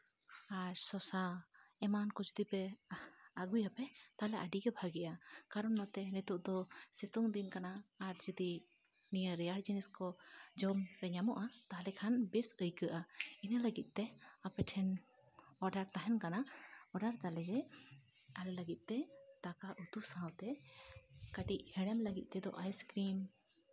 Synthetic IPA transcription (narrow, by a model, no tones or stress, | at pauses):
aɾsɔsaɛmankɔd͡ʒud̪ipɛ | aɡujapɛt̪alɛʔaɖiɡɛbʱaɡɛʔakaɾɔnːɔt̪ɛnɛt̪uʔd̪ɔsɛt̪ɔŋd̪inkanaːɾd͡ʒid̪i | niəɾɛjaɾd͡ʒinɛskɔd͡ʒɔmɾɛɲamɔʔat̪alɛkʰanbɛsəjkəʔainaləɡit̪̚ˀt̪ɛapɛʈʰɛn | ɔɖaɾt̪aɦɛnkanaɔɖaɾt̪alɛd͡ʒɛ | alɛləɡit̪̚ˀt̪ɛt̪akaʔut̪usawt̪ɛ | kaʈiʔhɛɽɛmləɡit̪̚ˀt̪ɛd̪ɔʔajskɾim